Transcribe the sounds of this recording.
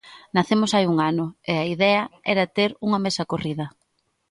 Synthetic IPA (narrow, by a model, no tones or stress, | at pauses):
naθemʊsajuŋanʊeaiðɛɐɛɾɐt̪eɾuŋɐmesɐkoriðɐ